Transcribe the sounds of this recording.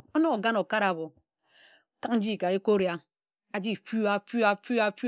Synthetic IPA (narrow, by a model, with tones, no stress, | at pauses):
o˦no˦o˨ɡa˦no˨ka˦ɾa˨βo˨˦ | ka˦k̚n̩˦d͡ʒi˦˨ka˨e˦ko˦ɾja˨˦ | a˨d͡ʒi˦˨fu˦a˨fu˦a˨fu˦a˨fu˦